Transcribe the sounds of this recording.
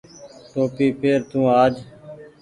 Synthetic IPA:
ʈoːpiːpeːɾt̪ũːaːd͡ʒ

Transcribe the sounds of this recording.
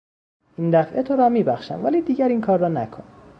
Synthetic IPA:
ʔind̪æfʔet̪ʰoɾɒmiːbæxʃæ̰mvæliːd̪iːɟæɾiːnkʰɒːɾːɒːnækʰon

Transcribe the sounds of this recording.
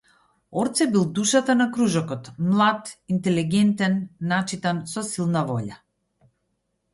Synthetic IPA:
ɔɾt̪sɛbilˠd̪uʃat̪anakɾuʒɔkɔt̪mlˠat̪int̪ɛliɡɛnt̪ɛnːat͡ʃit̪ansɔsilˠnavɔʎa

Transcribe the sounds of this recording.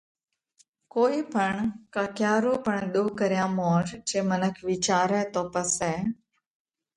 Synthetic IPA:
koːiːpəɳkaːkjaːɾoːpəɳ̃ɗoːkəɾɪjãːmɔːɾd͡ʒeːmənəkʰʋiːt͡ʃaːɾɛːt̪ɔːpəsɛː

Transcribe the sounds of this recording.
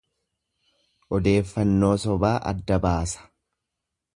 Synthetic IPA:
ʔɔd̪e̞ːfːɐnːo̞ːsɔbaːʔɐ̰d̪ːɐbaːsɐ̥

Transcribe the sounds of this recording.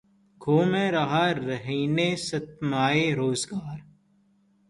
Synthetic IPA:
ɡʰʱoːmẽːɾɐɦaːɾəɦiːneːsɐt̪maːeːɾoːzɡaːɾ

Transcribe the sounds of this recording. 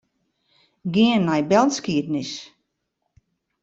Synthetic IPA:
ɡiənːajbɛlˠskiədnis

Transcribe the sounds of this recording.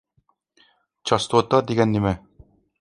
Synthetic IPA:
t͡ɕɑst̪ot̪ɑd̪iɡænːimæ

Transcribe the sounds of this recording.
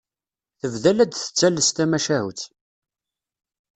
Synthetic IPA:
θəvðælæd̪θə̥t͡sːælːəst̪æmæʃæhṵt͡s

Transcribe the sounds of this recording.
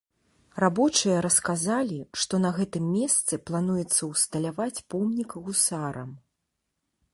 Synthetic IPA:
rabɔt͡ʂɨjɐɾɐskazalʲiʂt̪ɔnɐɣɛt̪ɨmːʲɛst̪sɨplˠanujɛt̪sːɐwst̪ɐlʲavat͡sʲpɔmnʲikɣusaɾɐ̰m

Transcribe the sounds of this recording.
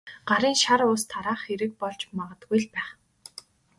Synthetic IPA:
ɢ̥aɾiːŋʃaɾʊst̪ʰaɾaːχxeɾɘ̆k̚pɔɮt͡ɕmaʁə̆t̪ɡujɮpæːχ

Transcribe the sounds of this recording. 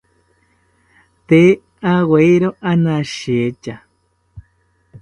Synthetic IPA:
t̪e | aweiɾoʔanãʃiet͡ʃa

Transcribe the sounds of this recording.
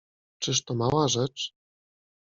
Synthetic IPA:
t͡ʂɘʂt̪ɔmawaʐɛt͡ʂ

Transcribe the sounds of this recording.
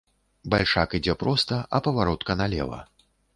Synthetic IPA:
balʲʂakid͡zʲɛpɾɔst̪ɐʔɐpɐvaɾɔt̪kɐnalʲɛ̰vɐ̰

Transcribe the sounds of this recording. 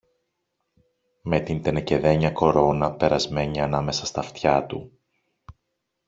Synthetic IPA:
me̞t̪int̪enece̞ðe̞ɲɐko̞ɾo̞nɐpe̞ɾɐzme̞ɲiɐnɐme̞sɐst̪ɐft̪çɐt̪u

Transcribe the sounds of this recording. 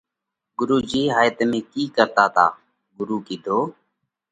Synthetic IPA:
ɡʊɾuːd͡ʒiːɦaːjət̪ːmẽːkiːkəɾt̪aːt̪a̰ː | ɡʊɾuːkiːd̪ʱoː

